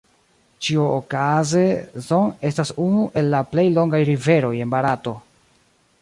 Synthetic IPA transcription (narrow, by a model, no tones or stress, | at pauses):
t͡ʃiookaze̞zo̞ŋe̞stasunuʔe̞lːaple̞jlo̞ŋɡajɾive̞ɾo̞je̞nbaɾato̞